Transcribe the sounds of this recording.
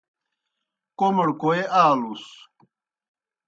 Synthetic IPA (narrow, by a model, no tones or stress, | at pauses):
koməɽkoeʔaːlus